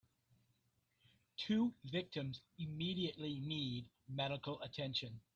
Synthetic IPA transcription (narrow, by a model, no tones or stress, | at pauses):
tʰʉːvɪk̚tɨ̃mzɨmiɾiɨʔlinid | mɛɾəkəl̩ˠətʰɛ̃nʃɨ̃n